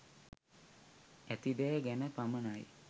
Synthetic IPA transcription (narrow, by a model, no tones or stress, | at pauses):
æt̪id̪ɛɡænəpamənaj